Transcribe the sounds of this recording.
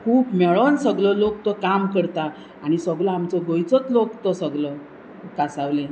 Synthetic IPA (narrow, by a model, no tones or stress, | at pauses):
kʰuːpmɛɭənsəɡləlok̚t̪ɔkamkəɾt̪a | aɽ̃isəɡləamt͡səɡojt͡sət͡slokt̪ɔsəɡlə | kasaʋlẽ